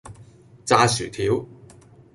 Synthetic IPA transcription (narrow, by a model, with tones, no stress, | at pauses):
t͡saː˧syː˨˩t̪ʰiː˨˥w